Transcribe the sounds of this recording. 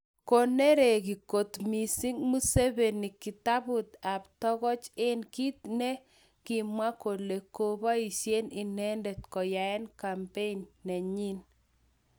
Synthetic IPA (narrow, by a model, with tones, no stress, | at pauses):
ko˨ne˦ɾe˨ki˨ko˨t̪mi˨si˦ŋmu˦se˦be˨ni˨ki˨ta˦bʊ˨t̪a˨ptɔ˦kɔ˦t͡ʃɪ˦nki˦t̪ne˦ | kɪ˨mwa˦ko˨le˨ko˦ba˦i˨ʃje˦ni˨nɛ˦ndɛ˨t̪kɔ˨ja˨ɛ˦nka˨mpe˦nːɛ˨ɲi˦n